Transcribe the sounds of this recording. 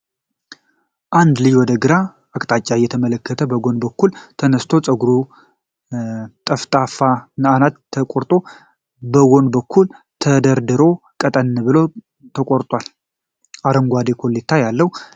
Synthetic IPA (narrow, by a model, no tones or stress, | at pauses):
ʔand̪lɨjwɔd̪əɡɨɾa | əkʼt̪ʼat͡ʃʼːajɛt̪ʰəmələkʰːət̪ʰəbəɡo̞nbəkːult̪ʰənəst̪ʰo̞t͡sʼəɡuɾu | t̪ʼəft̪ʼafanɨanat̪ʰːəkʼoɾt̪ʼo̞ | bəɡo̞nbəkʰːul | t̪ʰəd̪əɾd̪ɨɾo̞ | kʼət̪ʼənːbɨlo̞ | t̪ʰəkʼoɾt̪ʼwal | ʔaɾəŋɡʷad̪ekʰo̞let̪ʰːajalːəwu